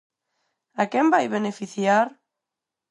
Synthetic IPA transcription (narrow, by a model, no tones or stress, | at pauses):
akɛmbajβenefiθjaɾ